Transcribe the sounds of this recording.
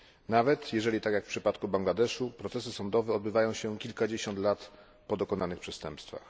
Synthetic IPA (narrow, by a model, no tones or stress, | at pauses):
navɛt̪jɛʐɛlʲit̪akjakfpʂɘpat̪kubaŋɡlad̪ɛʂupɾɔt̪sɛsɘsɔnd̪ɔvɛɔd̪̚bɘvajɔ̃w̃ɕɛkʲilkad͡ʑeɕɔnt̪lat̪ | pɔd̪ɔkɔnanɘxpʂɛst̪ɛmpst̪fa̰x